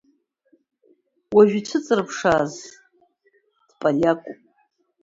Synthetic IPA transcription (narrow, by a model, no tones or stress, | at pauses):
waʒᶣit͡ʃʷʰɨt͡sʼɨrɨpʰʂaːz | d̥pʼaljakʷʼupʼ